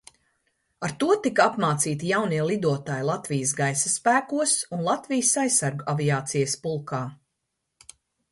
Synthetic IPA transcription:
aɾt̪uɔt̪ikapmaːt̪siːt̪ijawniɛlˠid̪uɔt̪aːjlˠat̪vijəs̬ɡajsaspæːkuɔsunlˠat̪vijəsajsːaɾɡuaviaːt̪sijəspulˠkaː

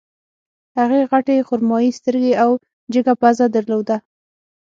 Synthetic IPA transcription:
haɣeɣaʈexʊɾmɑjist̪əɾɡeaw | d͡ʒəɡapazad̪aɾlod̪a

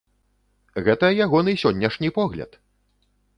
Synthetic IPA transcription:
ɣɛt̪ɐjaɣɔnɨsʲɔnʲːɐʂnʲipɔɣlʲɐ̰t̪

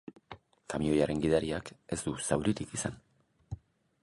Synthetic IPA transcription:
kamio̞jaɾe̞ŋɡiðaɾiake̞zd̪usawɾit̪ikisan

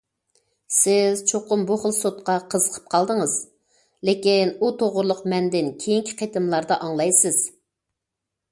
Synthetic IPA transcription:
sɪz̥t͡ʃʰoqʊmbuχəlˠsot̪̚qɑqʰəzəqʰə̥p̚qʰɑlˠd̪əŋəz̥ | lekʲinut̪ʰoʁʊɾlˠʊqmɛnd̪ɪnkʲʰejiŋkʲʰi̥qʰet̪ɪmlˠɑɾd̪ɑʔɑŋlˠɑjsɪz̥

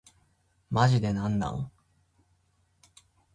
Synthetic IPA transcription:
maʑid̪e̞nãnːa̰o

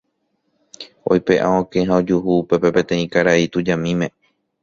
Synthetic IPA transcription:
o̞̰jpe̞ʔã̰õkẽɦãod͡ʒuɦuːpe̞pe̞pẽ̞t̪ẽ̞ĩkaɾait̪ud͡ʒãmĩmẽ̞

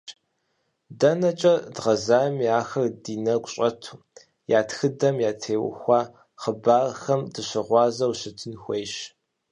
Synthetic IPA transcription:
dɐnɐt͡ʃʼɐdʁɐzaːmiaːxɐrdiːnɐɡʷɕʼɐtʰu̥ː | jaːtxɨdɐmjaːtʰeːwʊ̰xʷɑː | χəbaːrxɐmdɨɕɪʁʷɑːzɐwɕɪtʰɨnxʷejʃ

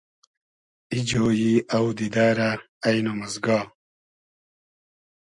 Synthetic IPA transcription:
id͡ʑoːjiawd̪id̪aːɾaː | jnomɐzɡaː

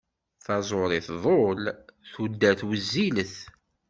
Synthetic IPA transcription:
θɑzˤoɾˤɪθðˤolθud̪ːæθwəzːiləθ

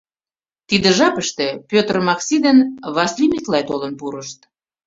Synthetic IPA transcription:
t̪id̪ĕʒɑpəʃt̪ĕpʲøt̪rmɑksid̪enβɑslimʲiklɑjt̪olənpuɾəʃt̪̚

